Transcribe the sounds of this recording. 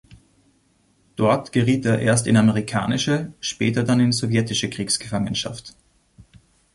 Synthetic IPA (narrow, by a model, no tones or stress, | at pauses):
d̥ɔɐtɡ̥əʁiːteːɐʔeːɐstɪnaməʁikʰa̰ːnɪʃəʃpɛːtɐdanɪnzovjɛtɪʃəkʁ̥iːksɡ̥əfaŋənʃa̰ft